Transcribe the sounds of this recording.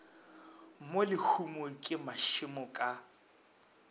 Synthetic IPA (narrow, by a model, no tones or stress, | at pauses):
molɪhʰumʊkʼɪmaʃɪmʊkʼa